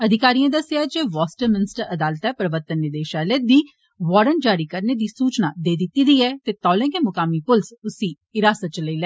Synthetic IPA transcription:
əd̪ʱɪkaːɾijãːd̪əseaːd͡ʒeːʋɔːsʈəɾmɪnɪsʈəɾəd̪aːlət̪ɛːpɾəʋəɾt̪ənːɪd̪eːʃaːleːd̪iː | ʋɔːɾən̚d͡ʒaːɾiːkəɾneːd̪iːsuːt͡ʃnaːd̪eːd̪ɪt̪ːiːd̪iːɛːt̪eːt̪ɔːlɛ̃ːkẽmʊkaːmiːpʊlsʊsĩː | ɪɾaːsət̪̚t͡ʃələiːlɛː

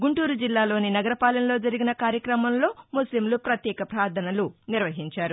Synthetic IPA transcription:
ɡuɳʈuːɾud͡ʒilːaːlo̞ːninɐɡɐɾɐpaːlɐnɐlo̞ːd͡ʒɐɾiɡinɐkaːɾjɐkɾɐmɐmlo̞ːmuslimlupɾɐt̪jɛːkɐpɾaːd̪ʰʱɐnɐluniɾʋɐɦiɲt͡ʃaːɾu

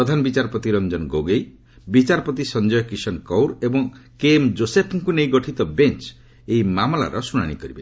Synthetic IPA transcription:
ɾɔd̪ʱanbit͡ʃaɾɔpɔt̪iɾɔnd͡ʒɔnɡoɡej | bit͡ʃaɾɔpɔt̪isɔnd͡ʒɔjɔkɾisɔnkɔwɾebɔŋkemd͡ʒosepʰɔŋkunejɡɔʈʰit̪ɔbent͡ʃ | ejmamɔla̰ɾɔsuña̰ɽ̃ikɔɾibe

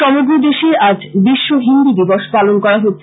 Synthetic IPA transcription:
ɔmoɡɾod̪eʃeɾad͡ʑbiʃːoɦind̪id̪iboʃpalonkɔɾaɦotːɕʰ

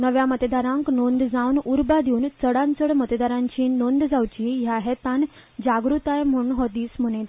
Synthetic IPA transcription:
nəʋjamət̪d̪aɾãŋknond̪d͡zawnuɾbad̪iuːnt͡səɽant͡səɽmət̪d̪aɾãɲt͡ɕiːnond̪d͡zawt͡ɕiːɦjaɦɛt̪an | d͡ʑaɡɾut̪ajm̤əɳɦɔt̪iːsm̤uñet̪

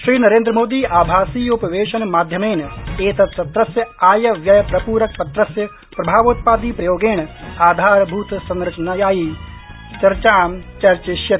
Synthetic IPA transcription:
ʃɾiːnɐɾẽːnd̪ɾəmoːd̪iːʔaːbʱaːsiːʊpɐʋeːʃɐnmaːd̪ʱjɐmeːneːt̪ɐt̪sɐt̪ɾɐsjɐaːjɐʋjɐjpɾɐpuːɾɐk̚pɐt̪ɾɐsjɐ | pɾɐbʱaːʋoːt̪̚paːd̪iːpɾɐjoːɡeːɳaːd̪ʱaːɾbʱuːt̪sɐ̃nɾɐt͡ʃnajaːji | t͡ʃɐɾt͡ʃaːmt͡ʃɐɾt͡ʃeʃjɐt̪

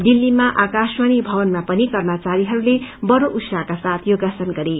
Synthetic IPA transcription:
d̪ilːimaʔakaswʌnibʱʌbʌnmapʌnikʌrmat͡saɾiɦʌɾulebʌɾoʔut̪saɦkasat̪ʰjoɡasʌnɡʌɾe

